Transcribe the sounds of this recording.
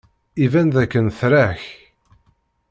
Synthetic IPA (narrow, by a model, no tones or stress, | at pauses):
ivænðækːənθɾæç